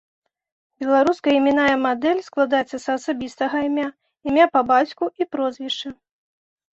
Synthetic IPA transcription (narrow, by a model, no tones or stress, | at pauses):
bʲɛlˠaɾuskɐimʲinajɐmad̪ɛlʲsklˠad̪ajɛt̪sːɐsɐːsabʲist̪ɐɣɐimʲa | imʲapɐbat͡sʲkuipɾɔzvʲiʂt͡ʂɐ